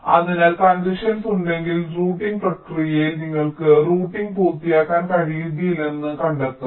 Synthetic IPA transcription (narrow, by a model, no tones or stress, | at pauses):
ɐðinalkɐnd̪iʂɐnsuɳɖe̞ŋɡilruːʈːiŋɡprɐʈrijɐjilniŋːɐɭkɨruːʈːiŋɡpuːrt̪ːijaːkːaːnkɐɻijiðijilenːɨkɐɳɖet̪ːu